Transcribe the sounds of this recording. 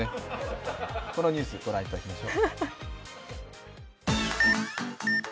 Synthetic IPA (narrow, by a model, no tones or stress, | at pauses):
e | ko̞no̞ɲ̟ʲɨːsɨɡ̥o̞ɾãit̪ːakimaɕoː